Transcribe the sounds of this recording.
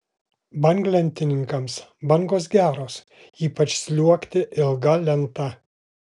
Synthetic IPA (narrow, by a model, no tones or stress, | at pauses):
bɐŋɡlʲɛnʲt̪ʲɪnʲɪŋkɐmsbɐŋɡoːsɡʲæːɾoːs | iːpɐt͡ʃʲsʲlʲuɔkʲt̪ʲɪʔɪlˠɡɐlʲɛnt̪ɐ